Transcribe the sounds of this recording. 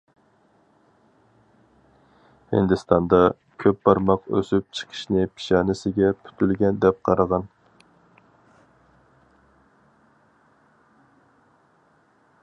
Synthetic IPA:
hɪ̰nd̪ɪst̪ʰɑnd̪ɑ | kʲʰøp̚bɑɾmɑqø̰syp̚t͡ʃʰə̥qʰə̥ʃnɪpʰi̥ʃɑːnɪsɪɡʲɛpʰy̥t̪ʰylɡʲɛnd̪ɛp̚qʰɑɾɑʁɑn

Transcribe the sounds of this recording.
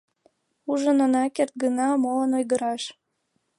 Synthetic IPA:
uʒənonɑkert̪̚ɡənɑmolənojɣəɾɑʃ

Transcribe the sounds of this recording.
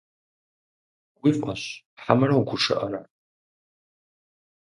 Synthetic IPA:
wifʼɐɕ | ħamɨɾɐwɡʷʰʊʂɨ̰ʔɐɾa

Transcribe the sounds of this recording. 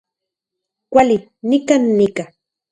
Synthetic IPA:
kʷalɪ | nɪkanːɪka

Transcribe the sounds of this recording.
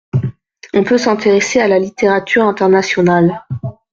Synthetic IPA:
ɔ̃pøsɛ̃t̪eʁesealalit̪eʁat̪ʰyʁɛ̃t̪ɛʁnasjɔnal

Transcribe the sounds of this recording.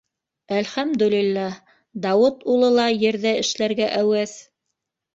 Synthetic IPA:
ælχæmd̪ɵlilːæ | d̪ɑwɤt̪ulˠɤlˠɑjɘ̆ɾðæɘ̆ʃlæɾɡæʔæwæθ

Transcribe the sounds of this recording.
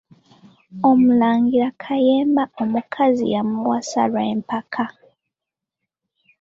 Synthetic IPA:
o̞mulaːŋɡiɾakʰaje̞ːmbao̞mukʰazḭjamuwasa̰lwaempakʰa

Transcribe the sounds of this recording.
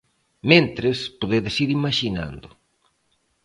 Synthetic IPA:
mẽnt̪ɾespoðeðɪsiɾimaʃina̰nd̪ʊ

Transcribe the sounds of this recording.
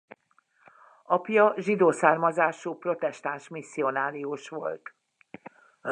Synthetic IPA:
ɒpjɒʒid̪oːsaːrmɒzaːʃupro̞t̪ɛʃt̪anʃmisːio̞naːɾiuʃʋo̞̰lt̪

